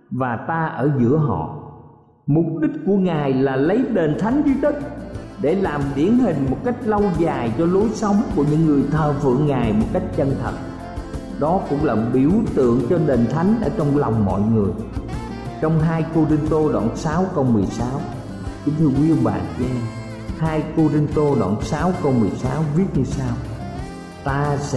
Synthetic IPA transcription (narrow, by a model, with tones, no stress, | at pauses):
vaː˨˩t̪aː˧ʔəː˧˩zɨ̰˧˥əɦɔ̰˧˨ | mʊ˨˩p̚ɗï˦˥k̚ku˧˩əŋaː˨˩jlaː˨˩lə˨˦jɗe˨˩nt̪ʰa˨˦jŋ̟zi˧t̪ï˦˥k̚ɗe˧˩laː˨˩mɗi˧˩ənɦï˨˩ŋ̟mo˨˩t̚ka˦˥jk̟̚lə˧wzaː˨˩jt͡ɕɔ˧lo˨˦jsə˨˦wŋ͡mku˧˩əɲɨ̰˧˥ŋːɨ˨˩əjt̪ʰəː˨˩fɨ̰˧˨əŋːaː˨˩jmo˨˩t̚ka˦˥jk̟̚t͡ɕə˧nt̪ʰə˨˩t̚ | ɗɔ˨˦kʊ̰˧˥ŋ͡mlaː˨˩ɓi˧˩əwt̪ɨ̰˧˨əŋt͡ɕɔ˧ɗe˨˩nt̪ʰa˨˦jŋ̟ʔəː˧˩t͡ɕɔ˧wŋ͡mla˨˩wŋ͡mmɔ̰˧˨jŋɨ˨˩əj | t͡ɕɔ˧wŋ͡mɦaː˧jko˧zi˧nt̪o˧ɗwa̰ː˧˨˩nsaː˨˦wkə˧wmɨ˨˩əjsaː˨˦w | t͡ɕɨ˨˦ŋt̪ʰɨ˧əkwi˧˦˧ɓa̰ː˨˩nkɛ˧m | haː˧jko˧zi˧nt̪o˧ɗwa̰ː˧˨˩nsaː˨˦wkə˧wmɨ˨˩əjsaː˨˦wvi˦˥ət̚ɲɨ˧saː˧w | t̪aː˧sɛ̰˧